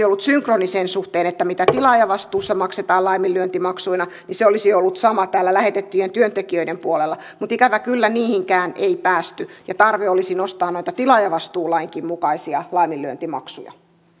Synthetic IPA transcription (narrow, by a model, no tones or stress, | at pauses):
iolːut̪syŋkronisensuht̪eːnet̪ːæmit̪æt̪ilɑjɑʋɑst̪uːsːɑmɑkset̪ɑːlɑimilːˑyønt̪imɑksuinɑniseolisiolːut̪sɑmɑt̪æːlːælæhet̪et̪ːyjent̪yønt̪ekiøidempuolelːɑmut̪ikæʋækylːæniːhiŋkæːneipæːst̪yjɑt̪ɑrʋeolisinost̪ɑːnnoit̪ɑt̪ilɑjɑʋɑst̪uːlɑiŋkimmukɑisiɑlɑimilːˑyønt̪imɑ̰ksṵjɑ̰